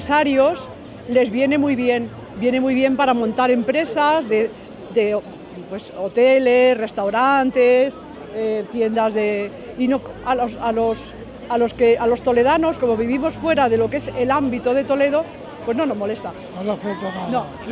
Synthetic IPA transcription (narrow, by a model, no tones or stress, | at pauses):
saɾjos | le̞zβje̞ne̞mujβje̞n | bje̞nemujβje̞mpaɾamõnt̪aɾempɾe̞sazðe | d̪e̞ | pwe̞sot̪elesre̞st̪awɾant̪es | et̪je̞nd̪azðe̞ | inokalosalo̞s | alo̞ske̞ʔalo̞st̪o̞le̞ð̞ano̞sko̞mo̞β̞iβ̞imo̞sfwe̞ɾaðe̞lo̞ke̞selambit̪oð̞e̞t̪o̞leð̞o̞ | pwe̞zno̞no̞zmo̞lest̪a | nolafet̪onano